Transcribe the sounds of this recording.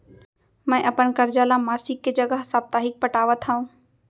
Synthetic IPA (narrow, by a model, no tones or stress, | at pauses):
mɛ̃ːʔɐpəɽkɐɾd͡ʑaːlãːmaːsɪkːed͡ʑɐɡəɦsaːb̚t̪aːɦɪk̚pɐʈaːʋət̪ʰaːũː